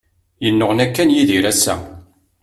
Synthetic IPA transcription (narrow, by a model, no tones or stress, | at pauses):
jənːʊʁnækːænjiðiɾæsːæ̰